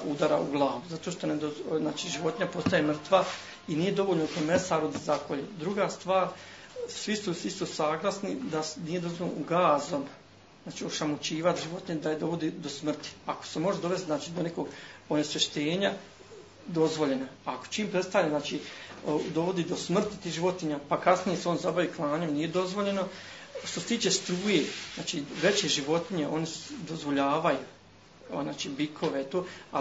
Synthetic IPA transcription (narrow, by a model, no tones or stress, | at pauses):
ud̪aɾauɡlˠaːʋuzat̪o̞ːʃt̪o̞ned̪oznaːt͡ʃiʒiʋo̞t̪iɲapo̞st̪ajemr̩t̪ʋa | inije̞d̪o̞ʋoʎnot̪omesaːɾud̪zakʰoʎed̪ɾuɡaːst̪ʋaːɾ | sʋisusist̪usaːɡlˠasnid̪anije̞d̪o̞zvʋolnooɡaːzo̞m | znaːt͡ʃioʃamut͡ɕiːʋat̪ʒiʋo̞t̪ɲed̪ajed̪o̞ʋo̞d̪id̪o̞smr̩t̪i̥ako̥se̞mo̞ʒed̪o̞ʋe̞st̪znaːt͡ʃiːd̪o̞ne̞koɡonesʋeʃt̪e̞ːɲa | d̪o̞zʋo̞ʎe̞naako̥t͡ʃiːmpɾe̞t̪st̪aɲaznaːt͡ʃiod̪o̞ʋo̞d̪iːd̪o̞smr̩t̪i̥t̪iːʒiʋo̞t̪iɲapakasnije̞seo̞ːnzabaʋiːklˠaːɲe̞mniːje̞d̪o̞zʋo̞ʎe̞no | ʃt̪oset̪iːt͡ʃe̞st̪ɾuːjeznaːt͡ʃiʋe̞t͡ɕeʒiʋo̞t̪iɲe̞ʔo̞nisd̪o̞zʋo̞ʎaːʋaju | naːt͡ʃiːbikʰo̞ʋet̪oːa